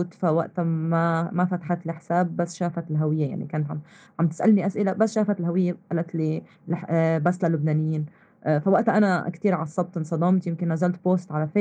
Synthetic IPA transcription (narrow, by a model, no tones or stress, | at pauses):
t̪fawaʔt̪mamafat̪ḁħat̪lɪħsaːbːasːʃaːfat̪ɪlɦawɪjːaja̰ʕnḭkaːnt̪ʕamʕamt̪ɪ̥sʔalniʔasʔɪlabasːʃaːfat̪ɪlɦawɪjːaʔalat̪li | lbasːlalːʊbnaːnɪjːiːn | ʔfawaʔt̪ʔanakt̪iːɾʕɑsˤːɑb̚t̪ɪnsˤɑd̪ˤɑːmt̪jɪmkɪnːazalt̪̚boːst̪ʕalafeː